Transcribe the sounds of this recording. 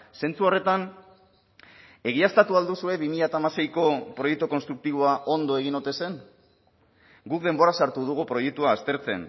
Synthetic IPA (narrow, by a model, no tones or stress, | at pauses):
se̞nt͡suo̞re̞t̪an | e̞ɣ̞iast̪at̪uald̪usue̞βimiʎat̪aːmase̞jko̞pɾojek̚t̪uko̞nst̪ɾuk̚t̪iβ̞o̞aʔo̞nd̪o̞eɣ̞ino̞t̪e̞se̞n | ɡukðe̞mbo̞ɾasaɾt̪uð̞uɣupɾo̞jek̚t̪uaːst̪e̞ɾt͡se̞̰n